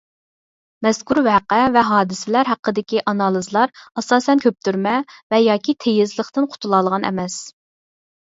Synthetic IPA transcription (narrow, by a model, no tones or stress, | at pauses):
mɛskʲuɾvæqɛvɛɦɑːd̪ɨsɪlæɾɦæqːəd̪ɪkʲiʔɑnɑlˠɨzlˠɑɾɑsɑːsɛnkʲʰøp̚t̪ʰyɾmɛvɛjɑːkʲit̪ʰejɪzlˠəχt̪ɨnqʰʊ̥t̪ʰulˠɑlˠʁɑnɛ̰mɛs